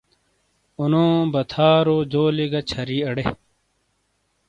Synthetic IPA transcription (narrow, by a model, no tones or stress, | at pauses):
unõːbɐt̪ʰaːɾoːd͡ʑoːliɡɐt͡ɕʰɐɾiːɐɽe